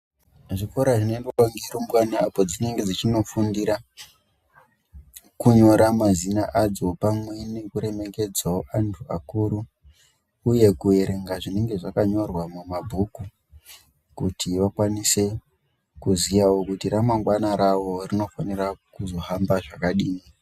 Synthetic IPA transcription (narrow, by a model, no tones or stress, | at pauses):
ʐiko̞ɾaʐinendeaŋɡiɾombwanaapod͡zine̞ŋɡe̞d͡zit͡ʃino̞fundiɾa | kuɲo̞ɾamazinaʔad͡zo̞pamwene̞kuɾe̞me̞ke̞d͡zaoʔantʰua̰kuɾuː | je̞kue̞ɾe̞ŋɡaʐine̞ŋɡe̞ʐakaɲo̞rwamumabʱuku | kutʰiʋakwanise̞ | kuzijawokutiɾamaŋɡwanaɾawo̞rino̞fanirakuzo̞ɦambaʐakaɗiːni